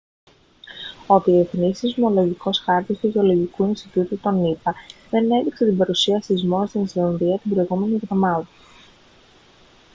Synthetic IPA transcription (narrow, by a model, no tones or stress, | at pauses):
o̞ðieθnisizmolo̞ʝiko̞sxɐɾt̪ist̪uʝeo̞lo̞ʝikuinst̪it̪ut̪ut̪o̞nipɐðe̞ne̞ðikset̪imbɐɾusiɐsizmo̞st̪inislɐnðiɐt̪ibɾo̞iɣume̞niɣðo̞mɐðɐ